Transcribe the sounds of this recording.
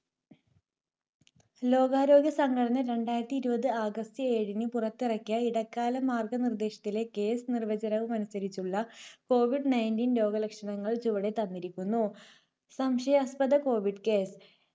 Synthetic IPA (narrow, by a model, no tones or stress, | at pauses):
lo̞ːɡaːɾo̞ːɡjɐsɐŋɡɐɽɐnɐɾe̞ɳɖaːjɾɐt̪ːiːɾubɐðɨaːɡɐst̪ɨe̞ːɽinɨpurɐt̪ːirɐkʲːɐiɽɐkːaːlɐmaːrɡɐnird̪e̞ːʂɐ̥t̪ːile̞ke̞ːsɨnirʋɐd͡ʑɐnɐʋumɐnɐsːɐɾit͡ɕːuɭːɐko̞ːʋiɖnɐjndiːnlo̞ːɡɐlɐkʂɐɳɐŋːɐɭt͡ɕuʋɐɽe̞t̪ɐnːiɾikʲːunːu | sɐmʂɐjspɐðɐko̞ːʋiɖke̞ːs